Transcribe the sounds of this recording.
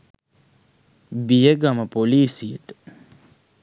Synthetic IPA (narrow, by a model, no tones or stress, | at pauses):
bijəɡaməpoliːsijəʈə̥